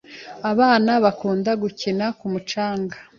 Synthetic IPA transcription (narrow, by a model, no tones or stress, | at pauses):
aβaːnaβakuːndaɡucinakumut͡ʃaːŋɡa